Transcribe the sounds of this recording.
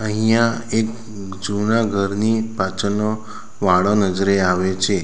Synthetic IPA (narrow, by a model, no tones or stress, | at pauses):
əɦijãek | d͡ʒunaɡʱəɾnipat͡ʃʰəno | ʋaɭonəd͡ʒɾeaʋet͡ʃʰe